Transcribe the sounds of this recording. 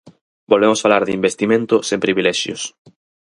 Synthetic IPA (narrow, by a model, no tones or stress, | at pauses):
bolβemosfalaɾðimbest̪imẽnt̪ʊsẽmpɾiβilɛʃjo̰s